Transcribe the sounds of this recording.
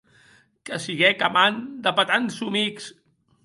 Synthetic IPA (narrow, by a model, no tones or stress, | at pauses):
kəsiɣɛkamand̪əpət̪ansumiks